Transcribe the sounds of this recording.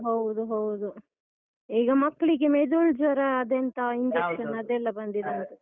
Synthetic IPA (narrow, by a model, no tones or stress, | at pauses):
ɦowd̪uɦowd̪u | iːɡɐmɐkːɭiɡemed̪uɭd͡ʒʋɐɾɐːd̪eɐnt̪ɐind͡ʒekʃɐnɐd̪ɛlːɐbɐnd̪id̪eɐnt̪ɐ